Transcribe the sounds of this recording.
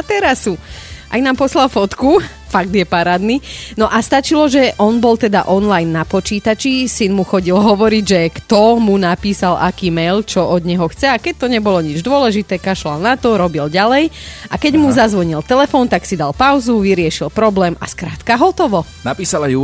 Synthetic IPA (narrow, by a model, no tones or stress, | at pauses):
at̪ɛɾasuʔa̰jnaːmpɔslalfɔt̪ku | faɡ̚d̪jɛpaɾaːd̪ninɔʔast̪at͡ʃilɔʒɛʔɔnbɔlt̪ɛd̪a̰ʔɔnlajnːapɔt͡ʃiːt̪at͡ʃisinmuxɔɟilɦɔʋɔɾiɟʒɛkt̪ɔmunapiːsalʔakiːmɛjlt͡ʃɔʔɔd̪ɲɛɦɔxt͡sɛakɛc̚t̪ɔɲɛbɔlɔɲid͡ʒd̪ʊɔlɛʒit̪ɛːkaʃlalnat̪ɔɾɔbilɟalɛjakɛɟmuzazʋɔɲilt̪ɛlɛfɔːnt̪aksid̪alpaʊzuʋiɾɪɛʃilpɾɔblɛːma̰skɾaːt̪kaɦɔt̪ɔʋɔ | napiːsalaju